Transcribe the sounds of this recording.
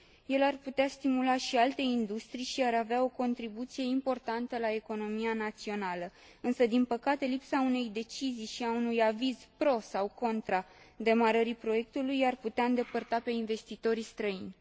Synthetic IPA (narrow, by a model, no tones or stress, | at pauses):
je̞larput̪east̪imulaʃialt̪e̞ind̪ust̪ɾijʃiaɾaveao̞ko̞nt̪ɾibut̪sije̞impo̞rt̪ant̪əlae̞ko̞no̞mianat̪sio̞nalə | ɨnsəd̪inpəkat̪e̞lipsaune̞jd̪e̞t͡ʃizijʃiaunujaviz̥pɾo̞sawko̞nt̪ɾa | d̪e̞maɾəɾipɾo̞je̞k̚t̪ulujarput̪eaɨnd̪e̞pərt̪ape̞inve̞st̪it̪o̞ɾist̪ɾəinʲ